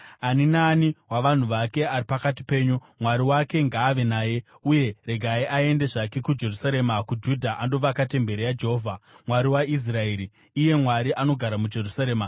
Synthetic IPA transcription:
aninaːniwaʋan̤uʋake̞aɾipakat̬i̥pe̞ːɲu | mwaɾiwake̞ŋɡaːʋe̞naːje̞ | uje̞re̞ɡʱaiʔae̞ndeʐake̞kud͡ʒe̞rusaɾe̞ːmakud͡ʒudʱaʔando̞ʋakate̞mbe̞ɾejad͡ʒeɦoːvʱamwaɾiwais̬rae̞ɾiː | je̞mwaɾiʔano̞ɡʱaɾamud͡ʒe̞rusaɾe̞ːma

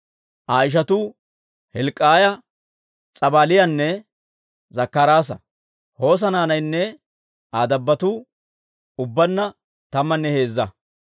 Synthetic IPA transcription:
ʔaːɪʃ̬ɐt̪u | hɛlkʼːaːjɐ | t͡sʼɐbaːlɪjɐnːɛ | zɐkːɐɾaːs̬ɐ̰ | ho̞ːs̬ɐnaːnɐjnːɛ | ʔaːd̪ɐbːɐt̪uː | ʊbːɐnːɐ | t̪ɐmːɐnːɛhe̞ːzːɐ

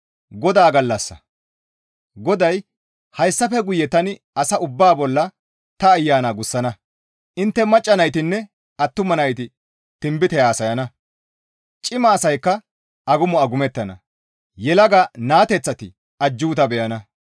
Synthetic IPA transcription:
ɡɔd̪aːɡɐlːɐsːɐ̰ | ɡɔd̪ɐj | hɐjsːɐfɛɡʊjːɛt̪ɐnɪ | ɐsɐʊbːaːbɔlːɐ | t̪ɐːjːaːnaːɡʊsːɐnɐ | ʔɪnt̪ːɛmɐt͡ʃʼːɐnɐjt̪ɪnːɛ | ɐt̪ːʊmɐnɐjt̪ɪ | t̪ɪmbɪt̪ɛjaːsɐjɐnɐ | t͡ʃʼɪmɐːsɐjkːɐ | ɐɡʊmʊɐɡʊmɛt̪ːɐnɐ̰ | jɛlɐɡɐnaːt̪ɛt͡sːɐt̪ɪ | ʔɐd͡ʒːuːt̪ɐbɛjɐnɐ

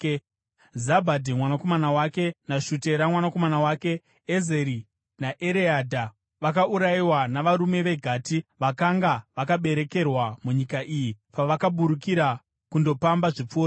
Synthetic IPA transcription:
zabʱadʱimwanakomanawake̞naʃute̞ɾamwanako̞manawaːke̞ː | zeɾi | naʔeɾeadʱa | ʋakaʔuɾaiwanaʋaɾume̞ʋe̞ɡʱaːtiʋakaŋɡaʋakaɓe̞ɾe̞ke̞rwamuɲikaʔijipaʋakaɓuɾuk̬iɾa | kundo̞pambaʐip͡foːa

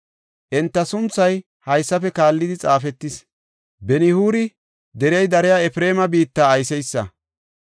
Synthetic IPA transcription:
ʔɛnt̪ːɐsʊnt͡sːɐj | hɐjsːɐfɛkaːlːɪd̪ɪt͡sʼaːfɛt̪ːɪs | bɛnɪhuːɾɪ | d̪ɛɾɛjd̪ɐɾɛjaɛfɾe̞ːmɐbiːt̪ːaːjsɛjsːɐ̰

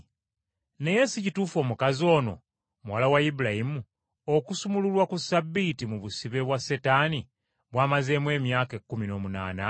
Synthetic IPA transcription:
ne̞je̞sicituːfo̞ːmukazo̞ːno̞̰ | muwalawajibulajimu | okusumululwakusabːitimuβusiβe̞βwasetaːni | βwaːmaze̞ːmwe̞ːmjaːkekːumino̞ːmuna̰ːna

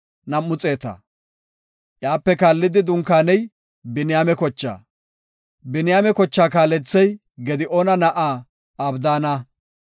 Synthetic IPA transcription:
nɐmːʊt͡sʼe̞ːt̪ɐ̰ | ʔjaːpːɛkaːlːɪd̪ɪd̪ʊŋkaːnɛj | bɪnɪjaːmɛkɔt͡ʃːa̰ː | bɪnɪjaːmɛkɔt͡ʃːaːkaːlɛt͡sːɛj | ɡɛd̪ɪʔoːnɐnɐʔaː | ɐbd̪aːnɐ

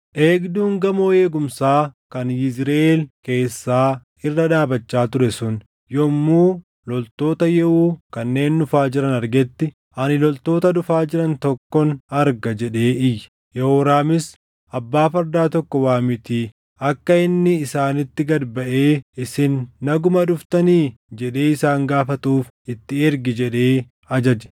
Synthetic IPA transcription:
ʔe̞ːɡd̪uːŋɡɐmoːeːɡʊmsaːkɐnjɪzɾɐʔeːlke̞ːsːaː | ɪrːɐᶑaːbɐt͡ʃːaːt̪ʊɾɛsʊn | jɔmːuː | lɔlt̪o̞ːt̪ɐjɛʔuːkɐnːe̞ːnːʊfaːd͡ʒɪɾɐnɐɾɡɛt̪ːɪ | ʔɐnɪlɔlt̪o̞ːt̪ɐd̪ʊfaːd͡ʒɪɾɐnt̪ɔkːɔnɐɾɡɐd͡ʒɛᶑe̞ːɪjː | jɛhoːɾaːmɪs | ɐbːaːfɐɾd̪aːt̪ɔkːɔwaːmɪt̪iː | ɐkːɐɪnːɪːsaːnɪt̪ːɪɡɐd̪bɐʔeːɪsɪnːɐɡʊmɐᶑʊft̪ɐniːd͡ʒɛᶑe̞ːɪsaːŋɡaːfɐt̪uːf | ɪt̪ːɪɛɾɡɪd͡ʒɛᶑe̞ː | ɐd͡ʒɐd͡ʒɛ̥

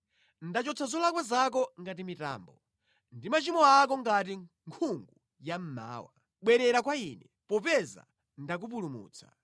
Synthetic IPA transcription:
ndat͡ʃɔt͡sʰazɔlakwɛzak̬ɔŋɡatimita̰ːmbɔ | ndimat͡ʃimɔak̬ɔŋɡat̬i | ŋkʰuŋɡu | jam̩ma̰ːwa | ɓwɛɾɛɾak̬wainɛpɔpɛza̰ | ndak̬up̬ulumṵːt͡sʰḁ̰

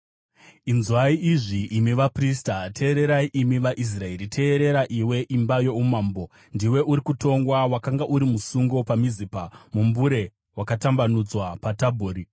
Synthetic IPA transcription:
inzwaiʔiʐiʔːmiʋapristatʰe̞ːɾe̞ɾaiʔimiʋaʔis̬rae̞ɾitʰe̞ːɾe̞ɾaʔiwe̞ʔimbajo̞umaːmbo̞ | ndiwe̞ʔuɾikuto̞ŋɡwawakaŋɡaʔuɾimusuŋɡo̞pamizipamumbuɾe̞ | wakatambanud͡zwapatabʱoːɾi

